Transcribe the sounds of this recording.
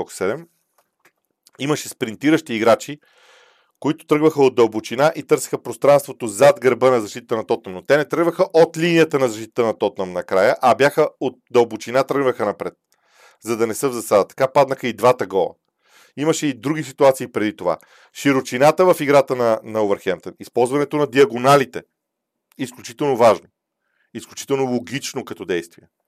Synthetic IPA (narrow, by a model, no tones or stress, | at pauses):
ɔksɛd̪ɛm | iməʃɛspɾint̪iɾəʃt̪iːɡɾat͡ʃi | koit̪ʊ̥t̪ɾɤɡvəxəod̪d̪ɐlˠbot͡ʃinaʔit̪ɤɾsɛ̥xəpɾost̪ɾanst̪vot̪ozad̪ɡɾbənɐzɐʃt̪it̪ət̪ənɐt̪ɔt̪nəmnot̪ɛnɛt̪ɾəɡvəxəʔot̪linijət̪ənɐzɐʃt̪it̪ə̥t̪ənɐt̪ɔt̪̚nəmnɐkɾajəʔɐbjaxəot̪̚d̪ɐlˠbot͡ʃinat̪ɾəɡvəxənɐpɾɛt̪̚ | zɐd̪ɐnɛsəvzɐsad̪ət̪ɐ̥kapad̪nəxəid̪vat̪əɡɔlˠɐ̰ | iməʃɛid̪ɾuɡʲis̬it̪uat̪siːpɾɛd̪it̪ova̰ | ʃiɾot͡ʃinat̪əvɐfiɡɾat̪ənɐnɐovəɾxɛmt̪ənispɔlˠzvɐnɛt̪onɐd̪iɐɡonalit̪ɛ | isklʲut͡ʃit̪ɛlˠnovaʒno | isklʲut͡ʃi̥t̪ɛlˠnolˠoɡit͡ʃnokɐt̪ɔd̪ɛjst̪viɛ